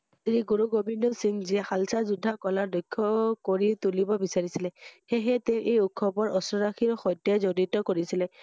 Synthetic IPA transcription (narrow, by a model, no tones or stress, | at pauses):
ɹiɡuɹuɡobinɔsiŋziɛxalsazudʱːakɔlaɹdɔjkʰːɔkoɹitulibɔbisaɹisilɛxeɦɛteʊʔejukʰːɔbɔɹʔɔsɔɹaxʰiɹɔxɔjtːɔzoditɔkoɹisilɛ